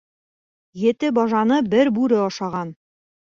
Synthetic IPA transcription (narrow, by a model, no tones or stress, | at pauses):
jɘ̆t̪ɘbɒʒɑnɤbɘɾbʉɾɘɒʃɑʁɑn